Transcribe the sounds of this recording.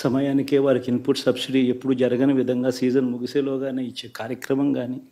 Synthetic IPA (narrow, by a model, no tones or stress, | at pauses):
sɐmɐjaːnikeːʋaːɾikinpuʈsɐbsiɖiepːuɽud͡ʒɐɾɐɡɐnɐʋid̪ʱɐŋɡaːsiːd͡ʒɐnmuɡiseːloːɡaːneːit͡ʃːeːkaːɾjɐkɾɐmɐŋɡaːniː